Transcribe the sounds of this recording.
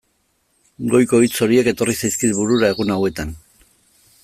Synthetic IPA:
ɡo̞jko̞jt͡so̞ɾie̞ke̞t̪o̞risajskit̪buɾuɾae̞ɣ̞unawe̞t̪an

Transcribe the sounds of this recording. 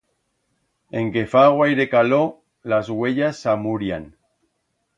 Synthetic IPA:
eŋkefaɣwajɾekalo | lazɣweʎasːamuɾjan

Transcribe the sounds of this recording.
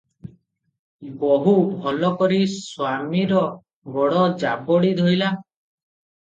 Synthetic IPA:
bɔɦubʱɔlɔkɔɾiswamiɾɔ | bɔɽɔd͡ʒabɔɽid̪ʱɔjla

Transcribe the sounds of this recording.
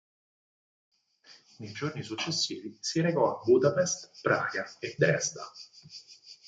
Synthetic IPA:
nejd͡ʒornisut͡ʃːesːiːvisiɾekɔabːud̪apɛst̪pɾa̰ːɡaed̪ɾɛsd̪a

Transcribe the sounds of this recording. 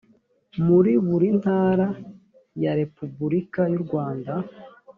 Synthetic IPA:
muɾiβuɾin̥haːɾa | jaɾe̞pubuɾikajuɾɡwaːnda

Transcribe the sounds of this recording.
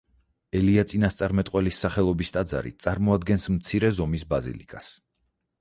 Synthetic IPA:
ɛliat̪sʼinast̪sʼaɾmɛt̪ʼqʼwɛlisːaχɛlˠɔbist̪ʼad̪za̰ɾḭt̪sʼaɾmɔad̪̚ɡɛnsmt̪sʰiɾɛzɔmisbazḭlḭkʼas

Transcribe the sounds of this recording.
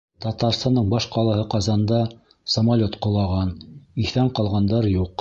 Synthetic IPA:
t̪ɑt̪ɑɾst̪ɑnd̪ɤɴbɑʃqɑlˠɑhɤqɑzɑnd̪ɑ | sɐmalʲot̪qŏlˠɑʁɑniθæɴqɑlˠʁɑnd̪ɑɾjuq

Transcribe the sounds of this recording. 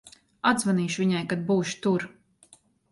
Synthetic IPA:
ad̪zvaniːʃvʲiɲajkad̪̚buːʃu̥t̪uɾ

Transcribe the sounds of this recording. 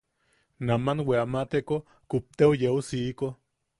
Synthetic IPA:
namanweamat̪eko | kup̚t̪eojeusiːko

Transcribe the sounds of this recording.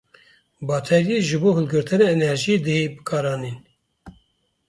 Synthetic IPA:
bɑːt̪ʰɛɾjeʒɨboːɦɨlɡɨɾt̪ʰɨneenɛɾʒid̪eebɨkʰɑːɾɑːniːn

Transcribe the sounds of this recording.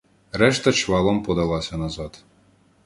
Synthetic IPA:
reʃt̪ə̆ʃvɑlˠompod̪ɑlˠɑsʲɑnɑzɑt̪

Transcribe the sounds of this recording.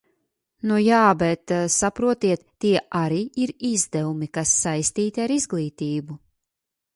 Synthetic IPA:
nujaːbɛt̪sapɾuɔt̪iɛt̪ːiɛʔaɾiːiɾizd̪ɛvumikasːajst̪iːt̪iaɾizɡlˠiːt̪iːbu

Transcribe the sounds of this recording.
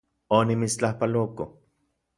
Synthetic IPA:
onimit͡st͡ɬahpaloko

